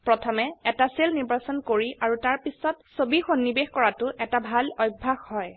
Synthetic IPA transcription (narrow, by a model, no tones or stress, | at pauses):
pɹɔtʰɔmɛɛtaselniɹbasɔnkoɹiaɹutaɹpisɔtsobixonːibexkɔɹatʊʔɛtabʱalɔjbʱːaxhɔj